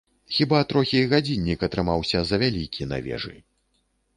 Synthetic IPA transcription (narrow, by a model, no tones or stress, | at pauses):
xʲibat̪ɾɔxʲijɣad͡zʲinʲːikɐt̪ɾɨmawsʲɐzɐvʲalʲikʲʰina̰vʲɛ̰ʐɨ̰